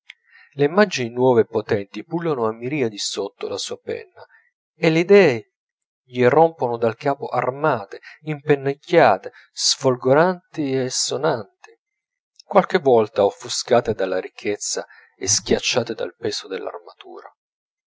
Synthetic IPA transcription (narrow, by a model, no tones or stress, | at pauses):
leimːad͡ʒininwɔːvepot̪ɛnt̪ipulːanoamːiɾiːad̪isot̪ːolasuːapɛ̰nːa | eleid̪ɛːe | ʎiromponod̪alkaːpoʔarmaːt̪eimpenːekːaːt̪e | sfolɡoɾant̪iesːonant̪i̥ | kwalk̟evːɔlt̪aofuskaːt̪ed̪alːaɾik̟ʰːet̪sːa | esk̟jat͡ʃːaːt̪ed̪a̰lpɛːsod̪elːa̰rmat̪ṵːɾa